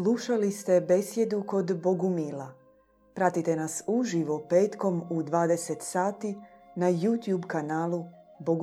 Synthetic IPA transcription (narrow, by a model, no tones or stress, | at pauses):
slˠuʃalist̪e̞be̞sje̞d̪uko̞d̪bo̞ɡumiːla | pɾat̪it̪e̞nasuʒiʋo̞pe̞ːt̪ko̞mud̪ʋaːd̪e̞set̪saːt̪inajuːt̪juːbkanaːlˠu | boɡ